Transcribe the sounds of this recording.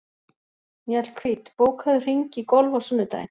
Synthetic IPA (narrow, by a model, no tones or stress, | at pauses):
mjɛl̥kʰviːt̪poːwkʰaðʏr̥iɲcikɔlvawsʏnːʏt̪a̰jn